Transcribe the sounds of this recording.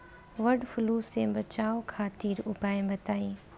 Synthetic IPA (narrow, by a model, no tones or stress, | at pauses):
ʋɐɖfʊluːsẽbɐt͡ʃaːokʰaːt̪iːɾʊpaːẽbɐt̪aːĩː